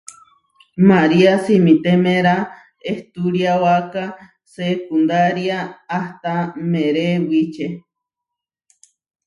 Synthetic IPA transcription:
maɾiasimĩt̪emeɾa | eht̪uɾjawaka | sekund̪aɾiaːht̪ameɾewit͡ʃe

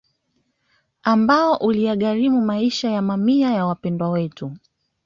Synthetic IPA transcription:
ambaɔʔulijaɠaɾimumaiʃajamamiajawapɛndwawɛtu

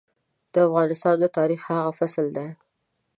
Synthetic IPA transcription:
d̪̥əafɣɑnɪst̪ɑnd̪ət̪ɑɾixhaɣafasld̪e

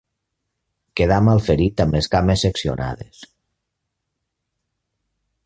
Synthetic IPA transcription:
keðamalˠfeɾit̪ameskamesːeksio̰nʔa̰ð̞ḛs

